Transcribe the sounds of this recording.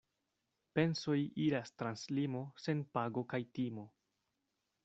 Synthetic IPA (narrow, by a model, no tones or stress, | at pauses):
pe̞nso̞jiɾastɾanslimo̞se̞npaɡo̞kajtimo̞